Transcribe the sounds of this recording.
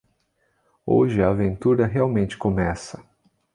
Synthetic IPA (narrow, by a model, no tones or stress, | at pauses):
o̰ʒɪɐːvẽnt̪uɾɐɦeawmẽnt͡ʃɪ̥komɛsɐ